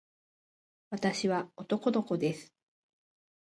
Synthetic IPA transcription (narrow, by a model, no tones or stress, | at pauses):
βat̪aɕiβao̞t̪o̞ko̞d̪o̞ko̞d̪e̞sɨ̥